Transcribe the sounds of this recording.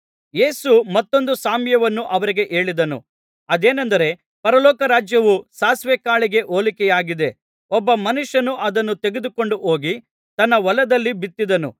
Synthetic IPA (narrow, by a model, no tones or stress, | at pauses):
je̞ːsumɐt̪ːo̞nd̪usaːmjɐʋɐnːuʔɐʋɐɾiɡe̞ʔe̞ːɭid̪ɐnṵ | ɐd̪e̞ːnɐnd̪ɐɾe̞ | pɐɾɐlɔːkɐɾaːd͡ʒjɐʋusaːsʋɛkaːɭiɡe̞ʔoːlikɛjaːɡid̪e̞ | ɔbːɐmɐnuʂɐnuʔɐd̪ɐnːut̪e̞ɡed̪uko̞ɳɖuɦoːɡi | t̪ɐnːɐʋɐlɐd̪ɐlːibit̪ːid̪ɐnṵ